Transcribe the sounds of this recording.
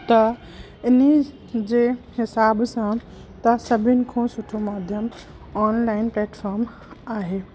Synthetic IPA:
t̪ɐ | ɪni | d͡ʑeːhɪsaːbsã | t̪ɐsɐbʱɪnɪ̆kʰõːsʊʈʰomaːd̪ʱjəm | ɔːnlaːɪnpleːʈʰfʰɔːɾm | aːɦeː

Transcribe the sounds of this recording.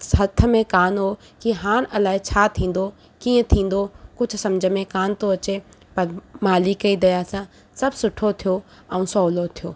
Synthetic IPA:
ɦɐt̪ʰə̆mẽkaːnɦo | kiɦaːɽ̃ɐlaːɦit͡ɕʰaːt̪ʰĩːn̆d̪o | kiːə̃t̪ʰĩːn̆d̪okʊt͡ʃʰsɐmd͡ʑʱəmẽkaːnt̪oɐt͡ɕepɐɾmaːlikɐid̪ɐjasã | sɐbsʊʈʰot̪ʰijo | ɛũːsɔːlot̪ʰijoː

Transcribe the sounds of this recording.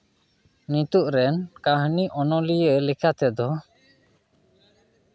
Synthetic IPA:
nit̪uʔɾɛnkaɦniʔɔnɔlijəlɛkʰat̪ɛd̪ɔ

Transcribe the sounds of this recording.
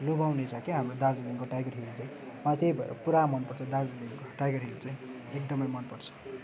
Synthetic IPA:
lobawnet͡sakiɦamrod̪ard͡zliŋkoʈajɡʌrɦelt͡saj̃ | mat̪ejbʱʌḛɾʌ̰puɾamʌnpʌrt͡sʰʌd̪ard͡zleŋkoʈajɡʌrɦelut͡saj̃ | ek̚d̪ʌmʌjmʌnpʌrt͡sʰʌ̥

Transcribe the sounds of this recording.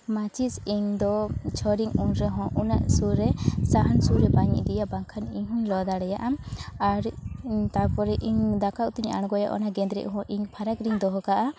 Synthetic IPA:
mat͡ʃisiɲd̪ɔt͡ʃʰɔɾiŋunɾɛɦɔ̃ʔunaʔsuɾɛsaɦansuɾɛbaɲḭʔd̪ijaʔbaŋkʰaniɲɦuɲlɔd̪aɽɛjaʔamaɾt̪apɔɾɛʔiɲd̪akaʔt̪uɲa̰ɽ̃ɡɔja̰ʔɔ̰naɡɛ̃nd̪ɾɛ̰ʔɦɔ̃ʔiɲpʰaɾakɾiɲd̪ɔɦɔkaʔa

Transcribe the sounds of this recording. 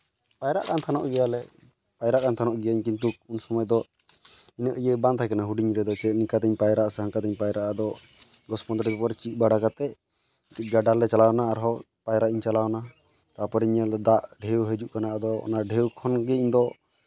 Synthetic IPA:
pajɾa̰ʔkant̪ʰanɔʔɡɛjalɛ | pajɾaʔkant̪ʰanɔʔɡɛjaiɲkint̪̬uk̚unsɔmɔjd̪ɔ | inəʔjɛbãnd̪ʰajkanaɦuɖiɲɾɛd̪ɔt͡ʃɛʔnikat̪ɛɲpajɾaʔsɛɦaŋkat̪ɛɲpajɾaʔad̪ɔ | ɡɔspɔnd̪ɾibɛpɔɾt͡ʃit̪̚ˀbaɽakat̪ɛ | ɡaɖaɾlɛt͡ʃalawnaːɾɦɔ | pajɾaʔiɲt͡ʃalawna | t̪apɔɾiɲalɔd̪aʔɖʱewɦed͡ʒuʔkanaʔad̪ɔɔ̰naɖʱɛwkʰɔnɡɛiɲd̪ɔ

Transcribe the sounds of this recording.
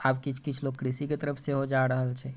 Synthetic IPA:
abkit͡ʃʰkit͡ʃʰlokɾisiket̪əɾəpʰseɦod͡ʒaɾəɦəlt͡ʃʰɛ

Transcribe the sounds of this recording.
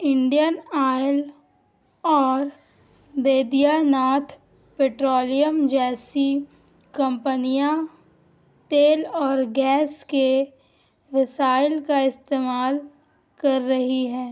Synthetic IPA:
ɪ̃ɳɖijənaːɪl | ɔːɾ | beːd̪ijanaːt̪ʰ | peːʈɾoːlijəmd͡ʒɛːsi | kɐ̃mpənijã | t̪eːlɔːɾɡɛːske | ʋɪsaːɪlkaɪst̪eːmaːl | kɐɾːɐɦiɦɛ̃ː

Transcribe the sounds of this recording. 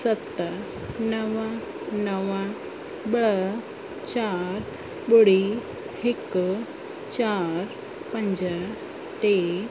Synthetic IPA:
sət̪ːa | nəʋã | nəʋa | bɭə | t͡ɕaɾ | boɽi | hek | t͡ɕaɾ | pəɲd͡ʑa | ʈe

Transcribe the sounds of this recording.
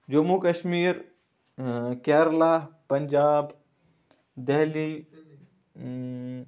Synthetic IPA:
d͡ʒumukəʃmiːɾ | kɛːɾlaːpɐɲd͡ʒaːb | d̪ɛɦli

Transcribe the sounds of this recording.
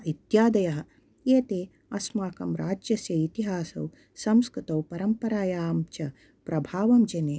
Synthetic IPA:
it̪jaːd̪ɐjɐɦɐ̆ | eːt̪eː | ɐsmaːkɐmɾaːd͡ʒjɐsjɐit̪iɦaːsɐ̰w | sɐmskɾɪt̪ɐwpɐɾɐmpɐɾaːjaːmt͡ʃɐ | pɾɐbʱaːʋɐmd͡ʒɐneː

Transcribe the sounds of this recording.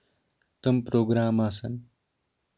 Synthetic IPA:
t̪əmpɾoːɡɾaːmasɐn

